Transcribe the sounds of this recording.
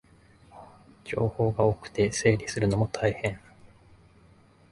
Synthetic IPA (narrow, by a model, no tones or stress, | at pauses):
d͡ʑo̞ːho̞ːɡaokɯ̟̥t̪e̞se̞ːɾʲisɨɾɯ̟no̞mo̞t̪ʰaihẽ̞ɴ